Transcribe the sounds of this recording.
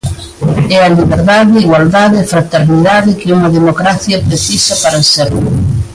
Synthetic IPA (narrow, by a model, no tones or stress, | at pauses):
ɛɐliβeɾðaðeiɣwald̪aðeːfɾat̪eɾniðaðɪkɪuŋɐðemokɾaθjɐpɾeθisɐpaɾɐsɛɾʊ